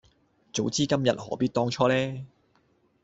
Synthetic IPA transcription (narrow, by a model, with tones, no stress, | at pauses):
t͡so˨˥wt͡siː˥kɐ˥mjɐ̰˨t̚hɔ̰ː˨˥piː˥t̚t̪ɔː˥ŋt͡ʃʰɔː˥lɛː˥